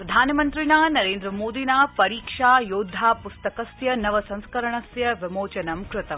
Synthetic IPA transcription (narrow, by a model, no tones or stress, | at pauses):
pɾɐd̪ʱaːnɐmɐnt̪ɾinaːnɐɾeːnd̪ɾɐmoːd̪inaːpɐɾiːkʂaːjoːd̪ʱːaːpust̪ɐkɐsjɐnɐʋɐsɐ̃ŋ̃skɐɾɐɳɐsjɐʋɪmoːt͡ʃɐnɐmkɾɪt̪ɐm